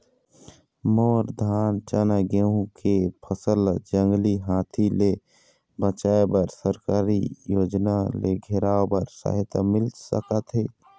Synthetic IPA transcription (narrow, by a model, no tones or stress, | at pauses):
moːɾd̪ʱaːnt͡ʃanaɡeũkepʰəsəld͡ʒə̃ŋɡliɦaːt̪ʰile | bət͡ʃaːebəɾsəɾkaːɾijoːd͡ʒnaleɡʱeɾaːobəɾsa̰ɦɪt̪ə̰mɪlsə̰kət̪ɦe